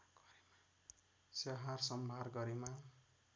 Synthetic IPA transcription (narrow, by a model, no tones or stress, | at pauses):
saɦarsʌmbʱarɡʌɾema